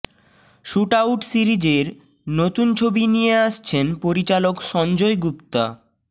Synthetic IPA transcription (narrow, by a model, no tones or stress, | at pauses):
ʃuʈawʈsiɾid͡ʑeɾ | not̪unt͡ɕʰobinijeaʃt͡ɕʰenpoɾit͡ɕalokʃɔnd͡ʑojɡupt̪a̰